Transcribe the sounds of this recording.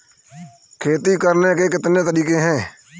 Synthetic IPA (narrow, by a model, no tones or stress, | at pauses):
kʰeːt̪iːkəɾneːkeːkɪt̪nẽːt̪əɾiːkẽːɦɛ̃ː